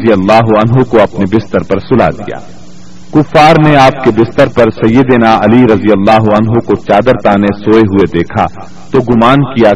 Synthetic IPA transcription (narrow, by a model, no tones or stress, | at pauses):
zijɐlːaːɦuɐnɦõkoɐpnebɪst̪əɾpɐɾsʊla̰ːd̪ija̰ː | kʊfːaːɾneaːp̚kebɪst̪əɾpɐɾsɐjːəd̪eːnaɐliɾɐzijəlːaːɦʊɐnɦõkot͡ʃaːd̪əɾt̪aːnesoːeɦued̪eːkʰa̰ | t̪oɡʊmaːnkija